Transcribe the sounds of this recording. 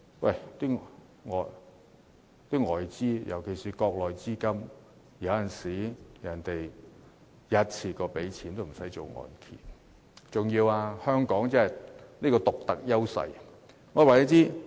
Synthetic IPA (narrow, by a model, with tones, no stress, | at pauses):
wɐ̰˨˩jt̪iː˥ŋ | ŋɔː˨j | t̪iː˥ŋɔː˨jt͡siː˥jɐ̰˨˩wkʰe˨˩jsiː˨˩kɔː˧k̚lɔː˨˩jt͡siː˥kɐ˥m | jɐ˨˧wjɐ˨nsiː˨˥jɐ˨˩nt̪e˨j | jɐ˧˥t̚t͡sʰiː˨˩kɔː˧pe˨˥jt͡sʰiː˨˥nt̪o˥m̩˨˩sɐ˨˥jt͡so˨wŋɔ̰ː˨˩nkʰḭː˨˩n | t͡sʊ˨ŋjiː˧waː˧hœː˥ŋkɔː˨˥ŋt͡sɐ˥hɐ˨˩jniː˥kɔː˧t̪ʊ˨k̚t̪ɐ˨k̚jɐ˥wsɐ̰˧j | ŋɔː˨˧waː˨˩ji˨˥t͡siː˥